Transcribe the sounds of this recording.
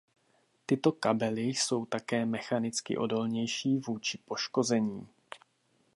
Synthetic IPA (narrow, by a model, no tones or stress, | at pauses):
t̪ɪt̪o̞kabɛlɪso̞wt̪akɛːmɛxanɪt͡skɪ̰ʔo̞do̞lɲɛjʃiːvuːt͡ʃɪpo̞ʃko̞zɛɲiː